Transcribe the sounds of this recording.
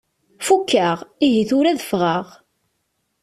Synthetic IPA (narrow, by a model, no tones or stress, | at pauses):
fukːaʁiɦiθʊɾæðəfʁəʁ